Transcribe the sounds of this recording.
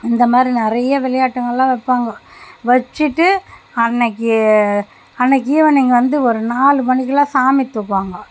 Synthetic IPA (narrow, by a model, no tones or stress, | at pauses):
ɪnd̪ɐmaːd̪ɾinɪɾɐjɐʋɪlɐjaːʈːɐŋɡɐɭlãːʋɛpːaːŋɡɐʋɐt͡ʃːɯʈːɯɐnːɐkːɯ | ɐnːɐk̬ːiːʋɐnɪŋɡɐʋɐnd̪ɯɔɾɯnaːlɯpɐɳɪk̬ːɯlãːsaːmɪt̪ːɯkːʋaːŋɡɐ